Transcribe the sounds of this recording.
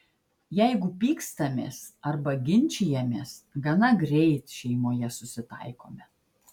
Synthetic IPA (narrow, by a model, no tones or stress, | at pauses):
jɛɪɡʊpʲiːkst̪ɐmʲḛːsɐɾbɐɡʲɪnʲt͡ʃʲɪjɛmʲeːsɡɐnɐɡɾʲɛɪt̪ʃʲɛɪmoːjɛsʊsʲɪt̪ɐ̰ɪko̰ːmʲɛ